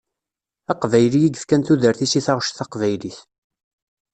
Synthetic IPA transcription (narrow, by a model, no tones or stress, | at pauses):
æqvæjlijiɡəfkænθuðəɾθisiθɑʁʃθɑqvæjliθ